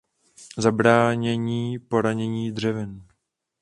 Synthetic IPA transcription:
zabɾaːɲɛɲiːpo̞ɾaɲɛɲiːdr̝ɛvɪn

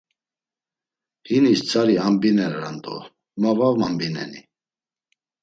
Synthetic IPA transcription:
hinist͡sʰaɾiambinɛɾɾant̪ʼɔ̰ | mavavmambinɛ̰ni

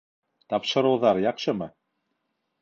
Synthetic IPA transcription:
t̪ɑpʃɤ̆ɾɤwðɑɾjɑqʃɤ̆mɤ

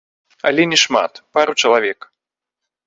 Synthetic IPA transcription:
ɐ̰lʲɛnʲɛʂma̰t̪paɾut͡ʂɐlˠavʲɛk

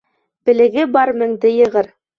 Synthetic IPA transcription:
b̥ɘ̆lɘ̆ɡɘbɑɾmɘ̆ŋd̪ɘjɤ̆ʁɤɾ

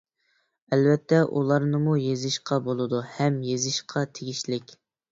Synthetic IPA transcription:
ɛlvɛt̪ʰːɛʔulˠɑɾnɨmujezɪʃqʰɑbolˠɨd̪uhɛmjezɪʃqʰɑt̪ʰeɡʲiʃlɪkʲ

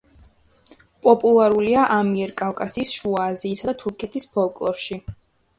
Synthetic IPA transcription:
pʼɔpʼulˠaɾuliaʔamiɛɾkʼafkʼasiːsʃuaːziːsad̪at̪ʰuɾkʰɛt̪ʰispʰɔlˠkʼlˠɔɾʃi

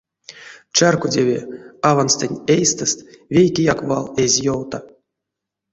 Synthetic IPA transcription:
t͡ʃarkudʲevʲḛavansʲt̪ʲenʲejst̪ɨst̪vʲejkʲejakvalˠezʲjowt̪a

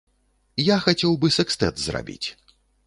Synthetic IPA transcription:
jaxat͡sʲɛwbɨsɛkst̪ɛ̰t̪zra̰bʲḭt͡sʲ

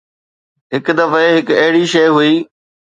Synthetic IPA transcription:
ɦɪkd̪ɐfeɦɪkɐɦɪɽiʃɐjɦuiː

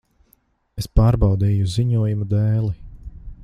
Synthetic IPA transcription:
espaːɾbɑwd̪iːjuziɲuɔjumud̪ɛːlˠi

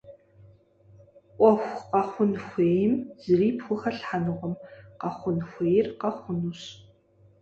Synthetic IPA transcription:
ʔʷʼɔxʷqɐχʷʊnxʷeːjɪmz̥ɨriːpxʷʊχɐɬħanɨʁʷɔmqɐχʷʊnxʷeːjɪrqɐχʷʊnuɕ

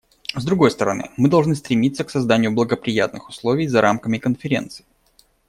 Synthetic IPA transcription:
zd̪ɾʊɡo̞jst̪əɾɐnɨ̰mɨd̪ɐlˠʐnɨst̪ɾʲɪmʲit̪sːəksɐzd̪anʲɪjʊblˠəɡəpɾʲɪjat̪̚nɨxʊslˠovʲɪjzɐɾʔamkəmʲɪkənfʲɪɾʲe̞̰nt̪sɨ̥ɪ

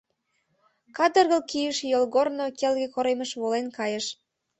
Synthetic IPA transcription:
kɑd̪ə̆rɣə̆lkijəʃjolɣornokelɣekoɾeməʃβolenkɑjəʃ

